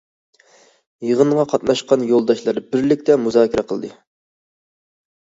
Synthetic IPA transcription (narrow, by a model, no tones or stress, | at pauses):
jəʁəɴʁɑqʰɑt̪nɑʃqɑnjolˠd̪ɑʃlˠɑɾbɪɾlɪk̚ʲt̪ʰɛmuzɑːkʲiɾɛqʰəlˠd̪ɨ